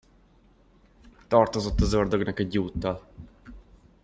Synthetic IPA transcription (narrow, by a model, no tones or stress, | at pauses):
t̪ɒrt̪o̞zo̞t̪ːɒzord̪øɡnɒkɛɟuːt̪ːɒl